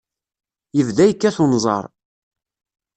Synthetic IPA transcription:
jəvðæjkːæθonzˤɑ̰ɾˤ

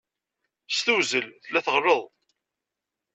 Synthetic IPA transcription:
st̪uzəlθəlːæθəʁrəðˤ

